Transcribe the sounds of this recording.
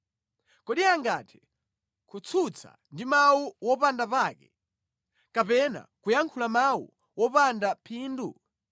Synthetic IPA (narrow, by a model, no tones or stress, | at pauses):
kɔɗiaŋɡatʰɛ̥ | kʰut͡sʰut͡sʰa̰ndimawuwɔpandapaːkɛ̰ | kapɛna̰kujaŋkʰulamawṵ | wɔpandapʰiːndu